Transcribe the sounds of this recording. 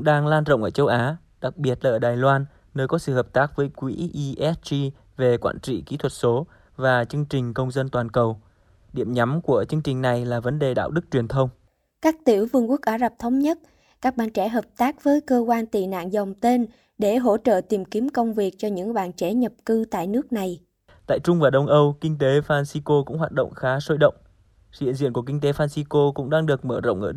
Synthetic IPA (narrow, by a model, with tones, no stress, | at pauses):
ŋɗaː˧ŋlaː˧nzə̰˧˨wŋ͡mʔəː˧˩t͡ɕə˧wʔaː˨˦ | ɗa˨˩k̚ɓi˨˩ət̚laː˨ʔːɗaː˨˩jlwaː˧n | nəː˧jkɔ˨˦sɨ̰˧˨həː˨˩p̚t̪aː˦˥k̚vəː˨˦jkwḭ˧˥ʔi˧ʔɛ˦˥t̚t͡ɕi˧ | ve˨˩kwa̰ː˧˨nt͡ɕḭ˧˨kḭ˧˥t̪ʰwə˨˩t̚so˨˦ | vaː˨˩t͡ɕɨ˧əŋt͡ɕï˨˩ŋ̟kə˧wŋ͡mzə˧nt̪waː˨˩nkə˨˩w | ɗḭ˧˨əmɲa˨˦mku˧˩ət͡ɕɨ˧əŋt͡ɕï˨˩ŋ̟na˨˩jlaː˨˩və˨˦nɗe˨˩ɗa̰ː˧˨wɗɨ˦˥k̚t͡ɕwi˨˩ənt̪ʰə˧wŋ͡m | kaː˦˥k̚t̪i˧˩əwvɨ˨˧˩ŋku˦˥ək̚ʔaː˨˦za˨˩p̚t̪ʰə˨˦wŋ͡mɲə˦˥t̚ | kaː˦˥k̚ɓaː˧˨nt͡ɕɛ̰˧˩ɦəː˨˩p̚t̪aː˦˥k̚vəː˨˦jkəː˧kwaː˧nt̪ḭ˧˨na̰ː˧˨nzə˨˩wŋ͡mt̪e˧n | ɗe˧˩ɦo̰˧˥t͡ɕə̰ː˧˨t̪i˨˩mki˨˦əmkə˧wŋ͡mvi˨˩ək̚t͡ɕɔ˧ɲɨ̰˧˥ŋɓa̰ː˧˨nt͡ɕɛ˧˩˦ɲə˨˩p̚kɨ˧t̪a̰ː˧˨jnɨ˦˥ək̚na˨˩j | t̪a̰ː˧˨jt͡ɕʊ˧ŋ͡mvaː˨˩ɗə˧wŋ͡mʔə˧wkï˧ŋ̟t̪e˨˦faː˧nsi˧ko˧kʊ̰˧˥ŋ͡mhɦaː˨˩t̚ɗə̰˧˨wŋ͡mxaː˨˦so˧jɗə̰˧˨wŋ͡m | hḭ˧˨ənzḭ˧˨ku˧˩əki˧ŋt̪e˨˦faː˧nsi˧ko˧kʊ̰˧˥ŋ͡mɗaː˧ŋɗɨ˨˩ək̚məː˧˩zə̰˧˨wŋ͡mʔəː˧˩